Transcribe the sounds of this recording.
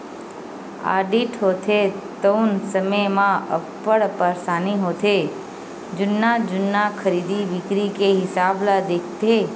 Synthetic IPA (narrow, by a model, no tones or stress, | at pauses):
a̰ɖiʈɦot̪ʰet̪əwnsəməjmãə̰pːəɽpəɾsaniɦot̪ʰe | d͡ʒʊnːad͡ʒʊnːakʰəɾid̪iʋɪkɾikeɦɪsablad̪ekʰt̪e